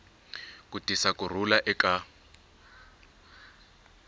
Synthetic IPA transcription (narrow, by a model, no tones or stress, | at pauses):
kutisakʼur̤ulaʔɛkʼa